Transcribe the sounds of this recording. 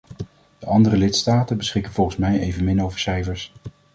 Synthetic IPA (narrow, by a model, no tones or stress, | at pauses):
d̥əʔɑndərəlɪtstaːtənbəsχɪkənvɔlˠχənsmɛjejvənmɪnowvəɹsɛjvəɹs